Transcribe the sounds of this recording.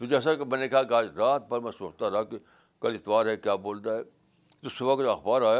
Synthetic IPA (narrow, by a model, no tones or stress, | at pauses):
t̪od͡ʒɛːs̬akimɛ̃ːnekɐɦakiaːd͡ʒɾaːt̪̚pɐɾmɛ̃soːt͡ʃt̪aɾɐaki | kɐlɪt̪baːɾɦɛkjaːboːld̪aɦɛ | t̪osʊbakoɐxbaːɾaːja